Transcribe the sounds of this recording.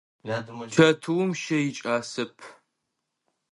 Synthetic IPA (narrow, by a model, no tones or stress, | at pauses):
t͡ʃʰɐtʰuwmʃɐjɪt͡ʃʼaːsɨpʰ